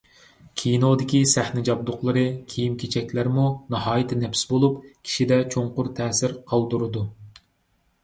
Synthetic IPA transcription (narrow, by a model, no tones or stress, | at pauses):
kʲʰijinod̪ɪkʲisæhnɪd͡ʒɑb̚d̪ʊqlˠɨɾɨkʲʰijimkʲʰet͡ʃʰɛkʲlæɾmunɑhɑːjɪt̪ʰɪnɛpsbolˠupkʲʰi̥ʃid̪ɛt͡ʃʰoɴqʊɾt̪ʰɛːsɪɾqʰɑlˠd̪uɾɨd̪u